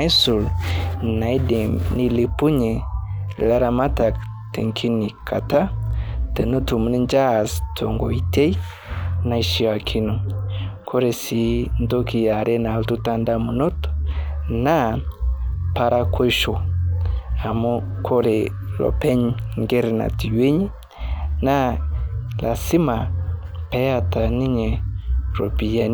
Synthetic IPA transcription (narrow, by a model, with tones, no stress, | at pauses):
i˦su˨lna˨i˦de˨mni˦li˨pu˦ɲe˨la˦ɾa˨ma˦ta˨k | tḛ˨ŋkʰi˦ni˨kʰa˨ta˦te˨no˦tu˨mu˨ni˦nd͡ʒa˦˨stʰo˨ŋɡɔ˨i˨te˦i˦ | na˨i˦ʃi˦wa˨kʰi˦nu˨kʰo˦ɾe˨si˨ndo˦ki˨ja˨ɾe˦na˨ltu˦ta˦nda˦mu˨nɔ˦t | na˦ | pa˧ɾa˦kʰwe˦ʃɔ˨ | a˨mo˦kʰo˦ɾe˨ | lɔ̰˨pɛ˦ɲ˦ŋɡe˦ɾe˨na̰˨ti˨we˦ɲi˦ | na˦ | lʔa˨si˦ma˨ | pɛ˦ja˦ta˨ni˦ɲe˨ɾo˨pi˨ja˨n˦